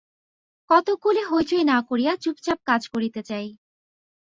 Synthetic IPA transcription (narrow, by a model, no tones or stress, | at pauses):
kɔt̪okuleɦojt͡ɕoenakoɾijat͡ɕupt͡ɕap̚kad͡ʑkoɾit̪et͡ɕaj